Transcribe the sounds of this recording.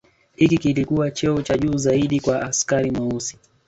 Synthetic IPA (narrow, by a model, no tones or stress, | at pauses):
hikikilikuwat͡ʃɛɔt͡ʃaʄuːzaiɗikwaʔaskaɾimausi̥